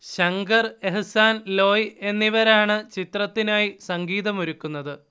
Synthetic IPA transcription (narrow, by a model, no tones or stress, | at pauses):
ɕɐŋɡɐre̞ɦɐsaːnlo̞ːje̞nːiʋɐɾaːɳɨt͡ɕit̪rɐt̪ːinaːjisɐŋɡiːðɐmoɾukːunːɐðɨ